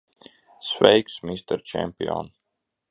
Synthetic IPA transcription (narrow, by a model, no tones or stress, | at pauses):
svɛ̰jksmist̪ɛɾt͡ʃɛ̰mpiɔ̰n